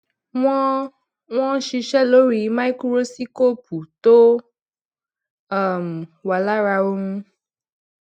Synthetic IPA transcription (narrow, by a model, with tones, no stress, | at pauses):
w̃ɔ̃˦ | ŋ̃ɔ̃˦ʃi˧ʃɛ˦lo˦ɾi˨˦mã˦i˦ku˦ɾo˦si˦ko˦pu˨t̪o˦ | a˦˨mwa˨la˦ɾa˦wo˦ŋũ˦